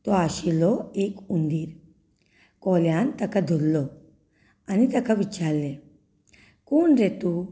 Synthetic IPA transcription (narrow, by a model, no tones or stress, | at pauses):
t̪ɔaɕilɔekund̪iːɾ | kɔljant̪ɐkad̪ʱolːɔ | anit̪ɐkʰaʋit͡ʃaɾle | kuːnɾet̪u